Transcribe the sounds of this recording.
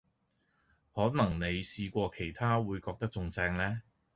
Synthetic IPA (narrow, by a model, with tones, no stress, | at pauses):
hɔː˨˥nɐ˨˩ŋne˨˧jsiː˧kʷɔː˧kʰe˨˩jt̪ʰaː˥wuː˨˧jkɔː˧k̚t̪ɐ˥k̚t͡sʊ˧ŋt͡sɛː˧ŋlɛː˥